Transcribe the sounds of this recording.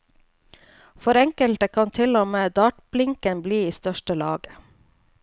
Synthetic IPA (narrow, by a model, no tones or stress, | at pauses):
fɔɾɛŋkəlt̪əkʰɑnt̪ʰɪlɔmeːd̪ɑːʈblɪŋkənbliːiːst̪œʃʈəlɑ̰ːɡə